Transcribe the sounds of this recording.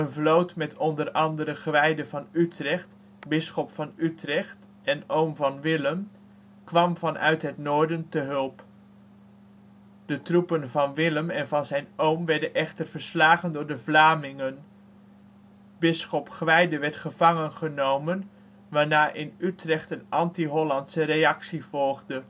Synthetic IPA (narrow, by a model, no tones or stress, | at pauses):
ənvlowtmɛtɔndəɾɑndərəχəʋɛjdəvɑnytrɛχt | bɪsχɔpfɑnytrɛχt | ɛnowmvɑnʋɪləm | kʋɑmvɑnʔœ̰ɥtɦɛtnʊːɹdəntəɦɵlˠp | d̥ətrupənvɑnʋɪləmɛnvɑnzɛjnowmʋɛɹdənʔɛχtərv̥əɹslaːχəndʊːɹdəvlaːmɪŋən | bɪsχɔpχʋɛjdəʋɛɹtχəv̥ɑŋənχənowmən | ʋaːɹnaːʔɪnytrɛχtənʔɑntiɦɔlɑntsəɾejɑksiv̥ɔlˠχdə